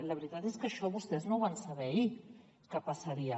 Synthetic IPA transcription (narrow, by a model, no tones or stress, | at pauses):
ləβɾit̪at̪eskəʃɔβust̪eznoβansaβɛi | kapasaɾia